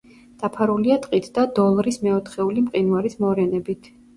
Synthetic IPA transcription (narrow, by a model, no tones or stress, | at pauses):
d̪̥apʰaɾuliat̪ʼqʼit̪ʰd̪ad̪ɔlˠɾismɛɔt̪ʰχɛulimqʼinwaɾismɔɾɛnɛbit̪ʰ